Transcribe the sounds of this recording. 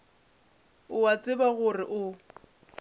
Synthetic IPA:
ʊwat͡sʼɪbaɣʊrɪʔʊ

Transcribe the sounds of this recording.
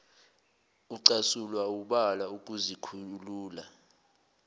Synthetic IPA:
uǀasulwauɓalauk̬ʼuzikʰuluːla

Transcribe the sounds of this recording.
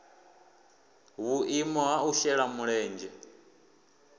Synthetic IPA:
βuʔimɔɦauʃɛɺamuɺɛːnd͡ʒɛ

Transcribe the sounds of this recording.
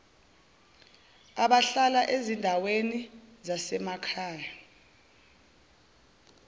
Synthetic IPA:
aɓaɬalaʔezindʱawenizasɛmakʰaːja

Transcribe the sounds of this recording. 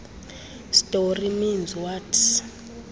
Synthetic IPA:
stʼoriminzwat

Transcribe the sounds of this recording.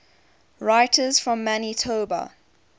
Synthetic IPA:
ɹaɪtʰəzfɹɔ̃mːanitʰoːbə̰

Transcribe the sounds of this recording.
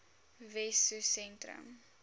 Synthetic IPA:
vɛsusɛntɾə̰m

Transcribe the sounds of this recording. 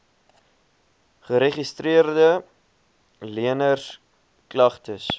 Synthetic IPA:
χəɾeχistriərdə | liənərs | klɐχtəs

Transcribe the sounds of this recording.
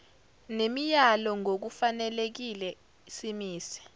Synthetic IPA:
nemijalɔŋok̬ufanɛlek̬ilɛ | isimiːsi̥

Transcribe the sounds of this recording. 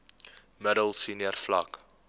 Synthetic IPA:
məɾəlˠsiːniərflɐ̰k

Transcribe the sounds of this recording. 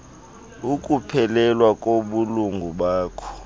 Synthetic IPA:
ukʼupʰɛlɛlwakʼoɓuluŋɡʱuɓaːkʰɔ̥

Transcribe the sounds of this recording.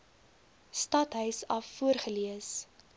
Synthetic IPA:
stɐtɦœɥsɐfːuərχəliəs

